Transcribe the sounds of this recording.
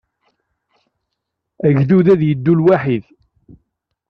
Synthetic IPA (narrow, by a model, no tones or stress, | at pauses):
æʝðuðæðjəd̪ːulwaħið